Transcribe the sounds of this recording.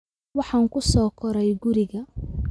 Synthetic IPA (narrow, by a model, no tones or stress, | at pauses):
wɑħɑːŋkʰʊsɔːkʰɔɾɛjɡʊɾɪɣɐ